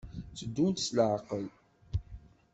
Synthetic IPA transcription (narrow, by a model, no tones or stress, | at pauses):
t͡səd̪ːunt̪sləʕqəl